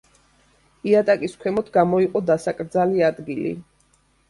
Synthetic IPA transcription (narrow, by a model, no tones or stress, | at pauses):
iat̪ʼakʼiskʰwɛmɔt̪ʰɡamɔiqʼɔd̪asakʼɾd̪zaliad̪ɡilḭ